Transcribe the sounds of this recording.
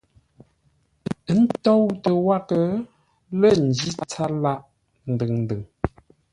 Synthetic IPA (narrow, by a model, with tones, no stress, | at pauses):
n̩˦tɔ˦wtə˨wa˦kə˨ | lə˦˨n̩˨d͡ʒi˦t͡sa˦la˦ʔ | n̩˨dɨ˨ŋn̩˨dɨ˨ŋ